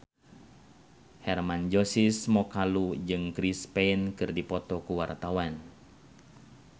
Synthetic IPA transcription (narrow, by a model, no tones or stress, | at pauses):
hɛrmand͡ʒosismɔkalud͡ʒɨŋkɾispɛnkɨrdipɔt̪ɔkuwart̪awan